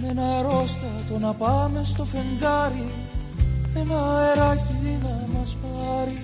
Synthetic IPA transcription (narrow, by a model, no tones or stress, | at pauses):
menɐeɾo̞st̪ɐt̪o̞nɐpɐme̞st̪o̞fe̞ŋɡɐɾi | enɐeɾɐciðinɐmɐspɐɾi